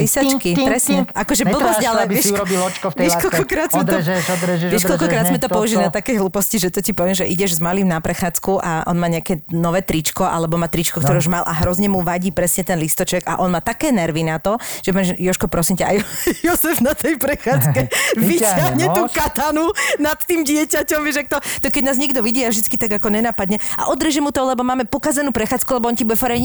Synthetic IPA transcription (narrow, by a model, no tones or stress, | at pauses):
lisat͡ʃkipɾɛsɲɛʔakɔʒɛbbl̩bɔzalɛɪɛɾɔbilɔt͡ʃkɔft̪ɛʃkɔlɔkɾaːd̪zmɛɔ | jɛʃkɔlkɔkɾaːd̪zmɛt̪ɔɔuʒilinat̪akɛjɦluːpɔsciʒɛt̪ɔcipɔʋɛmʒɛʔiɟɛʒzmaliːmnapɾɛxaːt͡skuʔaʔɔ̰nmaːɲɛakɛnɔʋɛːt̪ɾit͡ʃkɔʔa̰lɛbɔmaːt̪ɾit͡ʃkɔkt̪ɔɾɛuʒmalʔa̰ɦɾɔzɲɛmuʋaɟiːpɾɛsɲɛt̪ɛnlist̪ɔt͡ʃɛɡa̰ʔɔnmaːt̪akɛːnɛɾʋinat̪ɔʒ̥ɛpɔɲɛjɔʃkɔpɾɔsimcaajjɔzɛfnat̪ʰɛjpɾɛxaːt͡skɛʋitaɦɲɛt̪uːkat̪anunat̪ːiːmɟɪɛcacɔmʋiʃak̚t̪ɔt̪ɔkɛɟnaːzɲɛɡd̪ɔʋiɟiːavʒd̪it͡skit̪aɡakɔɲɛnapad̪ɲɛʔa̰ʔɔd̪ɾɛʒɛmut̪ɔlɛbɔmaːmɛpɔkazɛnuːpɾɛxaːt͡skulɛbɔɔncibuɛfaɾɛɲ